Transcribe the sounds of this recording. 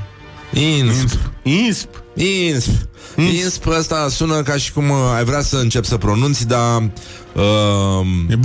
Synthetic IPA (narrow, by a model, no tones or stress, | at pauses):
inspispinsp | inspəst̪asunəkaʃi̥kumajvɾeasəɨnt͡ʃe̞psəpɾo̞nunt̪sʲd̪a | ə